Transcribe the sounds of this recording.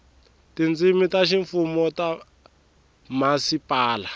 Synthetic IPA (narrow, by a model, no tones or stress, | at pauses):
tind͡zimitaʃiɱfumɔta | masipaːla